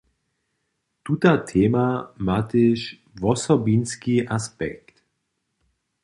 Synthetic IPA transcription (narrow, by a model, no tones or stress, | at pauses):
t̪ut̪at̪ʰɛːmamat̪eʃ | vɔsɔbinskiʔaspɛ̰kt̪